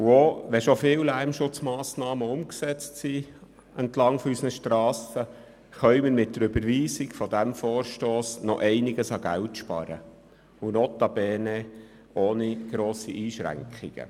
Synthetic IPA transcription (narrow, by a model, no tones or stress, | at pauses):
uoʋɛʃofɪwlæɾmʃʊt͡smɑːsnɑːməʊmksɛt͡stsi | ɛntlɑŋfɔysənəʃtɾɑːsə | χœɥməɾmɪt̚tdəɾøbəɾʋiːsikfɔd̪æmfoːɾʃtoːsnɔʔɛɪniɡəsɑɡæ̰wtʃpɑ̰ɾə̰ | unɔt̪ɑbɛːnɛ | oːniɡ̥ɾoːsiʔiːʃɾæ̰ŋkχiɡ̥ə̰